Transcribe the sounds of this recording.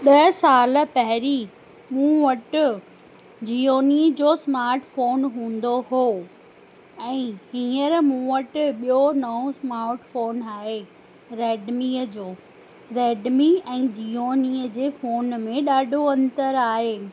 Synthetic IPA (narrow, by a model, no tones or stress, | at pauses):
ɗɐɦsaːlə̆pɐɦɪɾi | mũːʋəʈɪ | d͡ʑiːoːnid͡ʑoːsmaːɾʈfoːnɦũːn̆d̪oɦoː | ɛ̃ːɦiːəɾmũːʋəʈɓijonɐɦõsmaːɾʈfoːnaːɦe | ɾɛːɖmiəd͡ʑoː | ɾɛːɖmiɛ̃ːd͡ʑiːoːniːəd͡ʑeːfoːnmẽɗaːɖʱoɐ̃nt̪əɾaːɦeː